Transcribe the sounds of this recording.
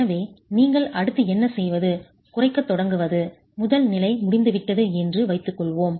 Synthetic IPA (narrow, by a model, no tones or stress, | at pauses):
nɐʋeːniːŋɡɐɭɐɽɯt̪ːɯɛnːɐsɛjʋɐðɯ | kʊrɐɪkːɐt̪ːɔɽɐŋɡɯʋɐðɯ | mʊðɐlnɪlɐɪmʊɽɪnd̪ɯʋɪʈːɐðɯɛndrɯʋɐɪt̪ːɯkːɔɭʋoːm